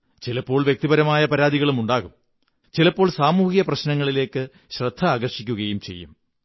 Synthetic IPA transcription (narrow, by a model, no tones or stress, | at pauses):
t͡ɕilɐpːo̞ːɭʋjek̚t̪ibɐɾɐmaːjɐpɐɾaːd̪iɣɐɭumuɳɖaːɣum | t͡ɕilɐpːo̞ːɭsaːmuːhijɐprɐɕnɐŋːɐɭile̞ːkːɨ | ɕrɐd̪ʱːɐaːɡɐrʂikʲːuɣɐjumt͡ɕe̞̰jːṵm